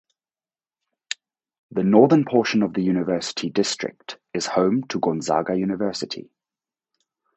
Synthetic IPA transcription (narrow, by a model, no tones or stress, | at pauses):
ðənɔːðənpʰɔˑʃə̃nəvðəjʉːnɪvɜˑsɪ̥tʰidɪstɹ̥ɪ̰k̚t | ɪz̥hə̃ʊ̃mtʰəɡɔ̃nzɑ̰ːɡəjʉːnɪvɜˑsɪtʰḭ